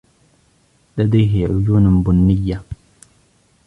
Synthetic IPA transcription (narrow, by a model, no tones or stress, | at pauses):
lad̪ajɦɪʕʊjuːnbʊnːɪjːa